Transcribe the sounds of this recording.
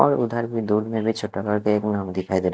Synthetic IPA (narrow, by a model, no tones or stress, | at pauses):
ɔ̰ːɾʊd̪ʱəɾbʱid̪uːɖmẽbʱit͡ʃʰoʈːakəɾkeeːknaːmd̪ɪkʰaːid̪eːɾ